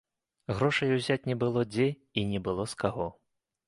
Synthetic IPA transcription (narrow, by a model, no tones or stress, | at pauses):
ɣɾɔʂɐjuwzʲat͡sʲnʲɛbɨlˠɔd͡zʲɛ | inʲɛbɨlˠɔskaɣɔ